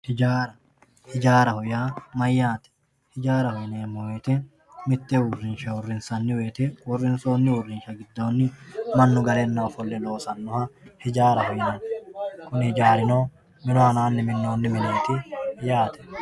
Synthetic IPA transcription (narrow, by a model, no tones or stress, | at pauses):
hɪd͡ʒaːɾɐ | hɪd͡ʒaːɾɐhɔjaːmɐjːaːt̪ɛ̥ | hɪd͡ʒaːɾɐhɔjneːmːɔweːt̪ɛ | mɪt̪ːɛwʊrːɪnʃɐwʊrːɪnsɐnːɪweːt̪ɛwʊrːɪnso̞ːnːɪwʊrːɪnʃɐɡɪd̪ːo̞ːnːɪmɐnːʊɡɐleːnːɔɐfɔlːɛlo̞ːsɐnːɔhɐhɪd͡ʒaːɾɐhɔjnɐnkʊnhɪd͡ʒaːɾɪnoː | mɪnɔɐnaːnːɪmɪnːo̞ːnːɪmɪnaːt̪ɪjaːt̪ɛ̥